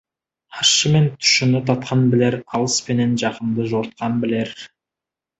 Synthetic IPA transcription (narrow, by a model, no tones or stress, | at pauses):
ɑʃːəme̞nt̪ʰʏ̥ʃɪnɪt̪ʰɑt̪̚qʰɑnbɪle̞ɾɑlˠəspe̞ne̞nʒɑqənd̪əʒoɾt̪̚qɑnbɪle̞ɾ